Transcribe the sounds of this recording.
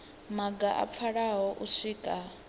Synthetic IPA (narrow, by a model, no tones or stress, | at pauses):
maɡaʔa̰p̪fʰaɺaɦɔʔusiːkʼa